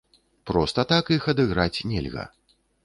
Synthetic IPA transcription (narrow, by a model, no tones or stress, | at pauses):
pɾɔst̪ɐt̪akixɐd̪ɨɣɾat͡sʲnʲɛ̰lʲɣɐ̰